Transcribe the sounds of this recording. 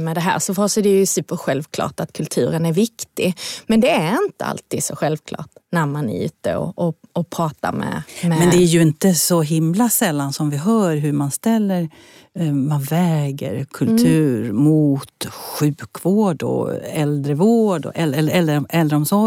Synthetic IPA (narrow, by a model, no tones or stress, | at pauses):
mɛd̪ɛɦæ̰ːɾsɔfɔsɛd̪ɛjɵsʉ̟ːpːəɾɧɛlvkʰlɑ̰ːʈat̪kʰɵlt̪ʰʉ̟̰ːɾənæɾvɪkt̪ɪɡmɛnd̪ɛæɾɪnt̪əa̰lt̪ʰiːd̪sɔɧɛlvkʰlɑ̰ːʈnæɾmanʉ̟̰ːt̪ə̰ɔ̰ʔɔɔpʰɾɑːt̪a̰ɾmɛ̰mɛmɛnd̪ɛæɾjɵɪnt̪əsɔɦɪmlasɛlːansɔmvɪɦœːɾɦɵɾmanst̪ɛlːəɾ | manvɛːɡə̰ɾkʰɵlt̪ʰʉ̟ːɾmuːt̪ɧʉ̟ːkvoːɖɔ̰ɛld̪ɾəvoːɖɔ̰ʔɛlɛlːɛlːəɾɔʔɛld̪ɾəɔmsɔ